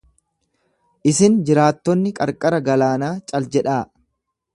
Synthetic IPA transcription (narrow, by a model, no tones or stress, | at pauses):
ʔɪsɪnd͡ʒɪɾaːt̪ːɔnːɪkʼɐɾkʼɐɾɐɡɐlaːnaːt͡ʃʼɐld͡ʒɛᶑaː